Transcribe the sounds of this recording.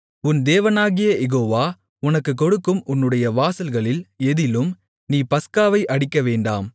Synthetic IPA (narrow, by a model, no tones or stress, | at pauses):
ʊnd̪eːʋɐnaːɣɪjɐjɛɣoːʋaː | ʊnɐkːɯkːɔɽɯkːɯmʊnːɯɽɐjɐʋaːsɐlɣɐɭɪlɛðɪlɯm | niːpɐskaːʋɐɪʔɐɽɪkːɐʋeːɳɖa̰ːm